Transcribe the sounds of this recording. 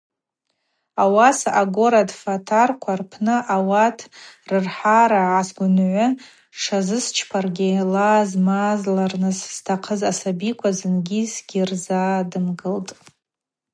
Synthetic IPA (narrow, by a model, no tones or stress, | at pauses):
awasaɡo̞ɾadfatʰarkʷʰarpʰnɨʔawatʰrɨrħaɾaʕasɡʷʊnʕʷʊ | ʂazɨst͡ʃʰpʰarɡʲilazmazlarnɨsːtʰaqʰəzasabikʷʰazɨnɡʲizɡ̥ʲirzadɨmɡɨltʼ